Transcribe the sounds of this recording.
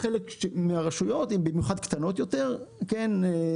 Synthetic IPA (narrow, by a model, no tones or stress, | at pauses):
χelekʃemeaʁeʃujo̞t̪imbimjuχad̪̚kt̪ano̞t̪jo̞te̞ʁkene